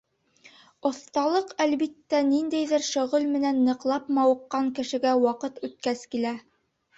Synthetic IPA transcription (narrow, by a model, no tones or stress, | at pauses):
ŏθt̪ɑlˠɤqælβit̪ːænind̪æjðɘɾʃŏʁɤlmɘ̆nænːɤ̆qlˠɑpmɑwɤ̆qːɑŋkɘ̆ʃɘ̆ɡæwɑqɤt̪ʉt̪̚kæskilæ